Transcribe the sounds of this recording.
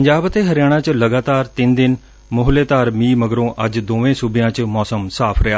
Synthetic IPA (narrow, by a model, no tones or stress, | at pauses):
pɐɲd͡ʑaːbt̪eɦɐɾjaːɽ̃ãt͡ɕlɐɡaːt̪aːɾt̪ɪ̃nd̪ɪn | mʊɦleːt̪aːɾmiːmɐɡɾõʔɐd͡ʑd̪oːʋẽsubijãt͡ɕmɔːsəmsaːpʰɾɐjaː